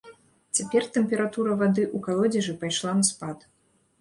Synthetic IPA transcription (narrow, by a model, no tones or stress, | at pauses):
t͡sʲapʲɛrt̪ɛmpʲɛɾat̪uɾɐvad̪ɨʔukalˠɔd͡zʲɐʐɨpajʂlˠanɐspat̪